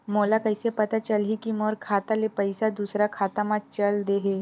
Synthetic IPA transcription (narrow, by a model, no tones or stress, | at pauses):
molakəjsepət̪at͡ɕəlɦikimoɾkʰat̪alepəjsad̪usɾakʰat̪amat͡ɕəld̪eɦe